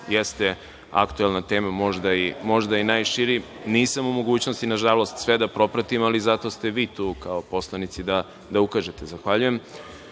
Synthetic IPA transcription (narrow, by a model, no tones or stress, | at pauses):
jest̪e | a̰kt̪uelˠnat̪e̞ːmamo̞ʒd̪aimo̞ʒd̪ainaːjʃiɾi | niːsamumo̞ɡuːt͡ɕno̞st̪inaʒalo̞st̪sʋed̪apɾo̞pɾat̪imalizat̪o̞st̪e̞ʋiːt̪uːkaopo̞slˠanit̪sid̪a | d̪aukaːʒet̪ezaxʋaʎuje̞m